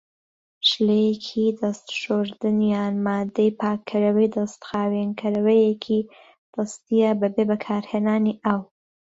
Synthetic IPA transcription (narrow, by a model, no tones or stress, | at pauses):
ʃlejkʰid̪ɐst̪ʃoɾd̪ɨnjɑːnmɑːd̪ejpʰɑːkʰːɨɾɐwejd̪ɐst̪xɑːwenkʰɐɾɐwɐjekʰi | d̪̥ɐst̪ijabɐbebɐkʰɑːɾhenaːniʔaw